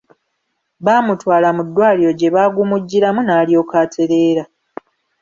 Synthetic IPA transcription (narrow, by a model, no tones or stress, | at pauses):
βaːmutwaːlamudːwaːliɾo̞ɟe̞βaːɡumuɟːiɾamunaːlijo̞ːkaːtʰe̞ɾe̞ːɾa